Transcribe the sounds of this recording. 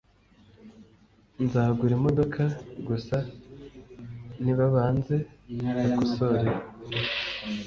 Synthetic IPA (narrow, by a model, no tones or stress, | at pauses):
nzaːɡuɾemodo̞kʰaɡusa | niβaβaːnze̞nakusoɾeɾa